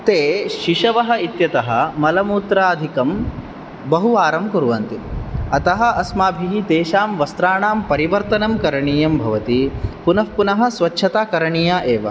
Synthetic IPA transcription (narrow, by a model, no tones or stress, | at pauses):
t̪eːʃiʃɐʋɐɦɐit̪jɐt̪ɐɦɐ̆mɐlɐmuːt̪ɾaːɐd̪ʱikɐm | bɐɦuʋaːɾɐmkuɾʋɐnt̪iɐt̪ɐɦɐ̆ɐsmaːbʱiɦit̪eːʃaːmʋɐst̪ɾaːɳaːmpɐɾiʋɐɾt̪ɐnɐmkɐɾɐɳiːjɐmbʱɐʋɐt̪ipunɐʋpunɐɦɐ̆sʋɐtːʃʰɐt̪aːkɐɾɐɳiːjaːʔeːʋɐ̰